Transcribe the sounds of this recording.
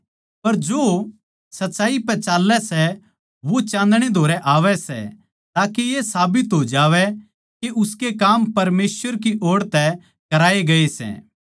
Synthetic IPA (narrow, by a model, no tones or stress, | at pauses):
pɐɾd͡ʒoː | sɐtːt͡ʃaːipɛt͡ʃaːlɛsɛ | ʋot͡ʃãːnd̪ɽ̃ed̪ʱoːɾɛʔaːʋɛsɛ̰ | t̪aːkejesaːbɪt̪ɦod͡ʒaːʋɛ | keʔʊskekaːmpɐɾmeːsʋəɾk̬iʔoːɽt̪ɛ | kɐɾaːeɡɐesɛ̰ː